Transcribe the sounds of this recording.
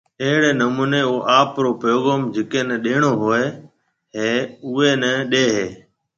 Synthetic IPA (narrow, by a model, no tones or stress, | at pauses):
eɦɪɽeːnəmuːneːoːʔaːpɾoːpəjoːɣəmd͡ʒɪkeːnəɗeːɽ̃oːɦoːeː | ɦeːʊeːnəɗeːɦeː